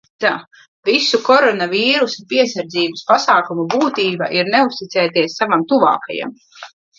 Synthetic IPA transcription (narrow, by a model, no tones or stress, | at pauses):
t̪aː | visukɔɾɔnaviːɾusapiɛsaɾd̪ziːbɨspasaːkumubuːt̪iːba̰ʔiɾneust̪it̪sɛːt̪iɛsːavamt̪uva̰ːka̰ja̰m